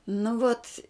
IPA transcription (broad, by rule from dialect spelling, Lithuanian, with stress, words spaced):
nʊ ˈʋoːt